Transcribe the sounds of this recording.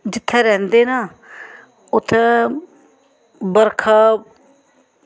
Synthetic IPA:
d͡ʒɪt̪ʰːɛːɾɛ̃ːnd̪eːnaː | ʊt̪ʰːeː | bəɾkʰaː

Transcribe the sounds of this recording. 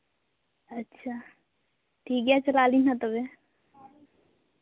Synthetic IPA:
ətːʃʰa | ʈʰiːk̚ɡjat͡ʃəlaːlinãt̪əbe

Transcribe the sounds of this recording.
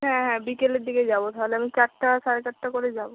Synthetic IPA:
ɦɛ̃ɦɛ̃bikeleɾd̪iked͡ʑabot̪aɦoleamit͡ɕaʈːaʃaɾet͡ɕaʈːakoɾed͡ʑabo

